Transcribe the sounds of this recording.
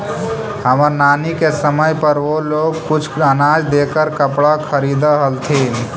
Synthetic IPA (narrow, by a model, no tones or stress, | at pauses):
həməɾnanikesəməjpəɾoloɡkut͡ʃʰənad͡ʒd̪ekəɾkəpɽakʰəɾid̪əɦəlt̪ʰi